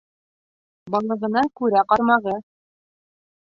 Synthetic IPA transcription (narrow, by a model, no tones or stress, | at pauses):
bɑlˠɤ̆ʁɤ̆nɑkʉɾæqɑɾmɑʁɤ